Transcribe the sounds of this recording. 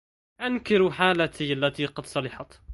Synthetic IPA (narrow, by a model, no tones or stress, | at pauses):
ʔankɪɾħaːlat̪ialːat̪iːqɑd̪sˤɑlɑħɑt̪